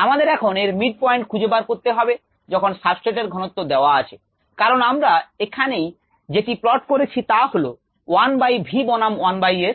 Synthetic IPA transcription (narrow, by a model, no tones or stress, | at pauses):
amad̪eɾɛkʰoneɾmiɖ̚pɔeɳʈkʰud͡ʑebaɾkoɾt̪eɦɔbe | d͡ʑɔkʰonʃabsʈeʈ̬eɾɡʱɔnot̪ːod̪eoaat͡ɕʰe | kaɾonamɾaekʰanej | d͡ʑeʈiplɔʈkoɾet͡ɕʰit̪aholo | wanbajbʱibɔnamwanbajeɾ